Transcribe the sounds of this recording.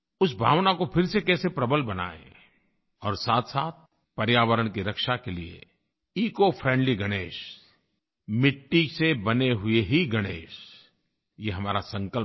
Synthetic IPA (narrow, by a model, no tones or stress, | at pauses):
ʊsbʱa̰ːʋnakopʰɪɾsekɛːsepɾɐbəlbɐna̰ːḛ̃ | ɔːɾsaːt̪ʰsaːt̪̚ | pɐɾjaːʋəɾəɽ̃kiɾɐkʃakeliḛ | iːkofʰɾɛ̃ːɳɖliɡɐɽ̃eːʃ | mɪʈːisebɐneɦʊeɦiɡɐɽ̃eːʃ | jeɦɐmaːɾasɐ̃ŋkəl